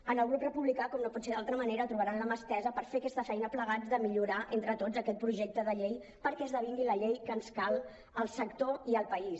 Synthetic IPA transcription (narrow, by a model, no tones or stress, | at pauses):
ənəlˠɣ̞ɾukrəpuβlikakɔmnopɔtseðalˠt̪ɾəməneɾət̪ɾuβaɾanləməst̪ɛzəpəɾfeakɛst̪əfɛjnəpləɣ̞ad͡zdðəmiʎuɾaʔent̪ɾət̪od͡zəkɛt̪̚pɾuʒek̚t̪əðəʎej | pəɾkɛzðəβiŋɡiləʎejkənskalˠ | əlˠsəkt̪oiəlˠpəis